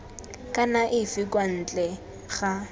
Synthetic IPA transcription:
kʼanaʔɪfɪkʼwan̩ːt͡ɬʼɛ | χa

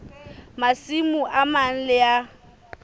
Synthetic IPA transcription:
masimuʔaman̩lɪja

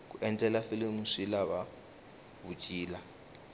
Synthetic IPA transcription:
k̬uɛntʼɛlafilimusilaβa | βut͡ʃʼiːla

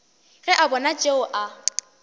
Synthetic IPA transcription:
rɪʔabɔnat͡ʃʼeʊʔa

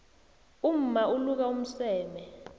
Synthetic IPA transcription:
um̩mauluk̬aum̩sɛːmɛ

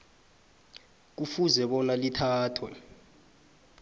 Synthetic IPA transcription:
k̬ufuzɛɓɔnalitʰaːtʰwɛ̰

